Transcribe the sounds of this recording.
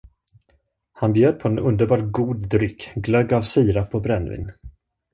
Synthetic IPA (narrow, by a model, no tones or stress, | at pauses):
hanbjøːd̪̚pʰɔɛnɵnd̪əɾbɑːʈɡuːd̪ːɾʏkːɡlœɡavsiːɾapʰɔbɾɛnvɪ̰n